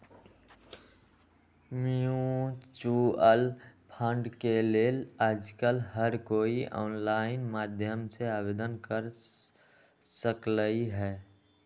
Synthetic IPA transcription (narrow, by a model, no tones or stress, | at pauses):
miut͡ʃuəlpʰə̃ɳɖkeleːlaːd͡ʒkəlɦəɾkoːiʔɔ̰ːnlaːɪnmaːd̪ʱjəmseaːbeːd̪ənkəɾ | səkləiɦɛː